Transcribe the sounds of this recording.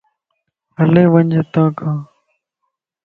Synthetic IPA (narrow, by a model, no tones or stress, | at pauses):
əlẽːʋənʲd͡ʒeːt̪ãːkãː